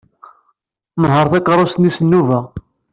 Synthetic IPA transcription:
məɦəɾˤθækːɾˤost̪nisənːuvæ

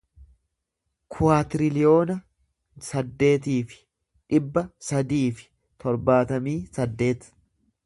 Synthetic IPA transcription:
kʰʊaːt̪ɪɾɪlɪjo̞ːnɐ | sɐd̪ːe̞ːt̪iːfɪ̥ | ᶑɪbːɐsɐd̪iːfɪ̥ | t̪ɔɾbaːt̪ɐmiːsɐd̪ːe̞ːt̪

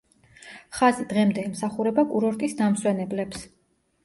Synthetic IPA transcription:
χazid̪̥ʁɛmd̪ɛːmsaχuɾɛbakʼuɾɔɾt̪ʼisd̪amswɛnɛblɛps

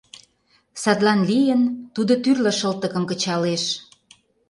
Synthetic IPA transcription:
sɑt̪lɑnlijənt̪ud̪ot̪yrlə̆ʃəlt̪ə̆kə̆mkə̆t͡ɕɑleʃ

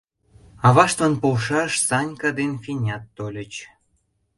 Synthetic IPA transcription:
ɑβɑʃt̪vɑnpolʃɑʃsɑnʲkɑd̪enfinʲɑt̪ːolʲə̆t͡ɕ

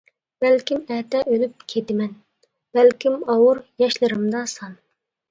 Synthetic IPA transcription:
b̥ælkʲimɛt̪ɛʔølyp̚kʲʰet̪ɪmɛn | b̥ɛlkʲimɑwuɾjɑʃlˠɨɾɨmd̪ɑsɑn

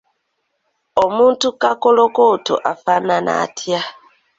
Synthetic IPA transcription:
omuːntukakolokoto̰ʔafanana̰tʰja

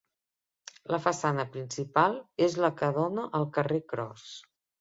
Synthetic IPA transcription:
ləfəsanəpɾinsipalˠezləkəðonəʔəlˠkərekɾɔ̰s

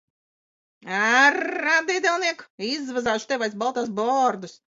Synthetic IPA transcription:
aɾad̪id̪ʲɛlˠniɛkizvazaːʃu̥t̪ɛvajsbalˠt̪aːsbɔɾd̪us

